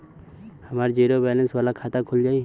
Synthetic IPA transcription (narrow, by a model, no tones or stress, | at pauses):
hɐmaːɾd͡ʒiːɾobɛːlə̃nsʋaːlakʰaːt̪akʰʊld͡ʒaːi